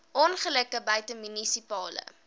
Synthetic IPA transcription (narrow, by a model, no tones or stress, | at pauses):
ʔɔnχələkəbɐjtəmynisipɑːlə̰